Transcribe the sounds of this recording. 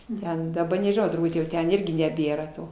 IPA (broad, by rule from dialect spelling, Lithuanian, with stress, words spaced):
ˈtʲɛn dɐˈbɐ nʲɛʒʲɪˈnɐʊ tʊrˈbuːt jɛʊ ˈtʲɛn ˈɪrʲɡʲɪ nʲɛˈbʲeːrɐ ˈtoː